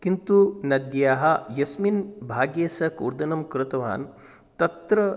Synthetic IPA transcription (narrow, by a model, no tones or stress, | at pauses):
kint̪unɐd̪jaːɦɐjɐsminbʱaːɡjeːsɐkṵɾd̪ɐnɐmkɾɪt̪ɐʋa̰ːn | t̪ɐt̪ɾɐ